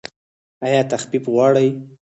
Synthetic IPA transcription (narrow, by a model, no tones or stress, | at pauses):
ajɑt̪axbipɣwɑɽəj